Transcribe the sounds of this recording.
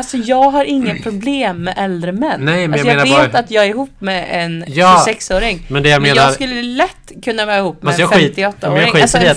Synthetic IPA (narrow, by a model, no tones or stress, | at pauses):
alsɔjɑːɡɦaɾɪŋːapʰɾʊbleːmːɛʔɛld̪ɾəmɛnːnɛjmɛjjɑːeːnavːat̪jɑːɡɛɾɪɦuːpːmɛɛnjɑːssɛksoːɾɪŋmɛnd̪ɛjameːnasɾkɵlːəɛlɛt̪ːkʰɵnːavɛːɾɪhɦuːpːmɛajɑːɡfɛimːt̪ɪɔt̪ːaɾɪŋɧias